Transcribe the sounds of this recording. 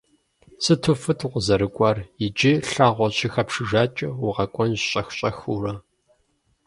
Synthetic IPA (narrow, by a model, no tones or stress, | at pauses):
sɨtʰufɨtʰqʷʊzɐɾɨkʷʼɐrɪd͡ʒiɬaːʁʷɔɕʼixɐpʂɨʒaːt͡ʃʼɪwʊʁɐkʷʼɔnʒɕʼɐxɕʼɐxuːrɐ